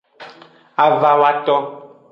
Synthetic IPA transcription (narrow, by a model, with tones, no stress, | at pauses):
a˨va˨wa˦tɔ˦